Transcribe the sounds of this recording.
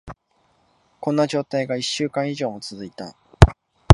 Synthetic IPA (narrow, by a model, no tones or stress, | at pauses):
kõ̞nːaʑo̞ːt̪aiɡaiɕːɨːkãɰ̃iʑo̞ːmo̞t͡sɨzɨit̪a̰